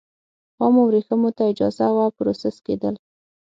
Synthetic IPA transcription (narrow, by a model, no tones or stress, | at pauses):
ɑmowɾexəmot̪aɪd͡ʒɑzawapɾosɪsked̪əl